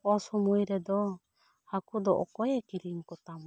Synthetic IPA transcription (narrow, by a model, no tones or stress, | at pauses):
ɔsɔmujɾɛd̪ɔ | hakud̪ɔʔɔ̰kɔjɛkiɾiŋkɔt̪am